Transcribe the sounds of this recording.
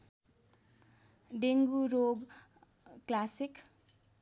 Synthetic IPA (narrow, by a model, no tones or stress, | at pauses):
ɖeŋɡuɾoɡ | klasik